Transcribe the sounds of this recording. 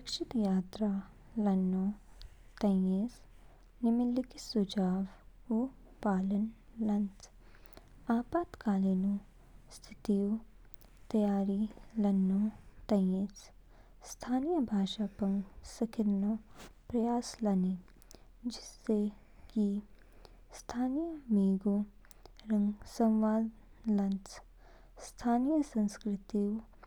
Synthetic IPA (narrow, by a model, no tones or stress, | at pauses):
ɾɐkʃɪt̪jaːt̪ɾa | lɐnːo | t̪ɐeːs | nɪmɪlikisud͡ʒaːʋ | u | paːlən | lɐnt̪ | aːpaːt̪kaːlenu | st̪ʰɪt̪iju | t̪ɐjaːɾilɐnːoːt̪ɐjeːt͡s | st̪ʰaːnijəbʱaːʃaːpɐŋsɐkʰiɾnopɾɐjaːslɐni | d͡ʒɪsːe | ki | st̪ʰaːnijəmiːɡu | ɾɐŋsɐ̃wʋaːd̪ | lɐnt͡s | st̪ʰaːnijəsɐ̃nskɾɪt̪iju